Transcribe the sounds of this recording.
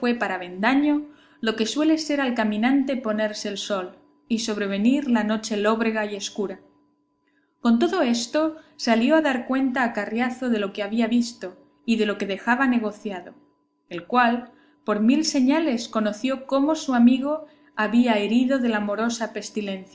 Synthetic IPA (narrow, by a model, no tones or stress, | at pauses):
fwe̞paɾaβe̞nd̪aɲo | lo̞ke̞swe̞le̞se̞ɾalkamĩnãnt̪e̞po̞ne̞ɾse̞ːlso̞l | iso̞β̞ɾe̞β̞e̞niɾlano̞t͡ʃe̞lo̞βɾe̞ɣaie̞skuɾa | ko̞nt̪̬o̞ðo̞e̞st̪o̞saljo̞aðaɾkwe̞nt̪aːkarjaθo̞ðe̞lo̞keaβ̞iaβist̪o̞ | iðe̞lo̞ke̞ðe̞xaβane̞ɣ̞o̞θjaðo̞ | elkwal | po̞ɾmilse̞ɲale̞sko̞no̞θjo̞ko̞mo̞suamiɣ̞o̞ | aβiaeɾiðo̞ðe̞lamo̞ɾo̞sape̞st̪ilẽ̞nθj